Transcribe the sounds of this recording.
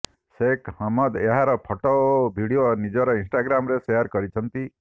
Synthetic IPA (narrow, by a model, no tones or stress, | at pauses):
sekhɔmɔd̪eɦaɾɔpʰɔʈɔbʱiɽijonid͡ʒɔɾɔĩnsʈaɡɾamɾesejəɾkɔɾit͡ʃʰɔnt̪i